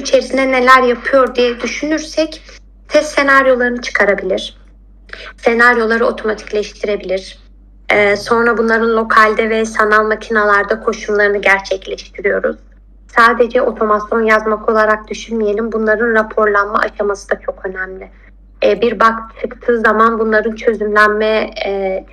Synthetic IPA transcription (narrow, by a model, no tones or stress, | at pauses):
it͡ʃʰe̞ɾisinɛne̞lʲæɾjapʰɯjo̞ɾd̪ijɛd̪yʃynyɾsɛc | t̪ʰɛst̪ːe̞naɾjo̞lˠaɾɯnɯt͡ʃʰɯ̥kʰaɾabilʲiɾ̥ | se̞naɾjo̞lˠaɾɯo̞t̪ʰo̞mat̪ʰi̥clʲɛʃt̪ʰiɾe̞bilʲiɾ̥ | ɛːso̞nɾabunlˠaɾɯnlˠo̞kʰalʲd̪ɛvɛsanalˠmacʰinalˠaɾd̪akʰo̞ʃumlˠaɾɯnɯɟæɾt͡ʃʰɛclʲɛʃt̪ʰiɾijo̞ɾṵz̥ | saːd̪e̞d͡ʒɛʔo̞t̪ʰo̞masjo̞njazmakʰo̞lˠaɾak̚d̪yʃynmije̞lʲimbunlˠaɾɯnɾapʰo̞ɾlˠanmaʔaʃamasɯd̪at͡ʃʰo̞kø̞næmlʲɪ | biɾbakt̪ʰɯkt̪ʰɯːzamanbunlˠaɾɯnt͡ʃʰø̞zymlʲænmɛ